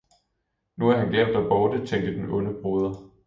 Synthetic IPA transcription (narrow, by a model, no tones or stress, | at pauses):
nuæɐhænɡ̥eʊ̰d̥ɒb̥ɒːd̥ət͡sʰeŋ̰d̥əd̥enɔ̽nəb̥ʁoːð̞ˠɐ